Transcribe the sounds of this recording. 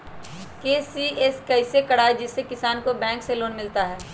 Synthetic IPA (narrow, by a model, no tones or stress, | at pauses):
keːsiɛskɐɪsekɐɽ̤aːjd͡ʒɪsːekɪsaːnkobɛ̃ːŋkseloːnmɪlt̪aɦɛː